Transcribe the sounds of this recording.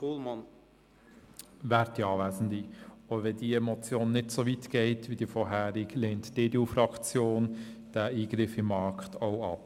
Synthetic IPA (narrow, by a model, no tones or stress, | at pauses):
uːlmɑn | ʋæːɾtːiɑːʋæːsn̩dioʋɛdiɛmɔt͡sjoːnːɪdsoʋitɡ̥ɛɪtʋid̥ifɔɾɦæːɾɪɡleːntd̥eːdeufɾɑkt͡sjoːnd̥æiːɡ̥ɾɪfɪmːɑɾktʰɔʊɑ̰p